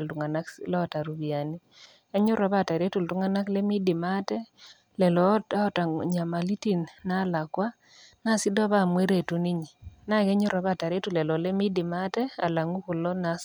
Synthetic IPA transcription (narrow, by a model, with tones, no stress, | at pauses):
ltu˨ŋa˨na˦klɛ˦ɔ˦˨ta˨ɾu˨bi˨a˨ni˦ | ɛ˦ɲʊ˦ɾa˨˦ba˦˨ta˨ɾe˦tu˨ltu˦ŋa˦na˦kle˦mi˦di˨ma˦tɛ˦ | lɛ˨lɔ˨˦a˦ɔ˦ta˨ɲa˨ma˨li˦ti˦nːa˦la˨kwa˦ | na˦˨sɪ˦dɔ˦βa˦˨mwe˦ɾe˨tu˦ni˦ɲi˨na˦˨ɡɛ˦ɲʊ˦ɾa˨ba˦˨ta˨ɾe˦tu˨lɛ˨lɔ˨le˦mi˦dɪ˨ma˦tɛ˦a˨la˨ŋu˦ku˨lɔ˦na˦s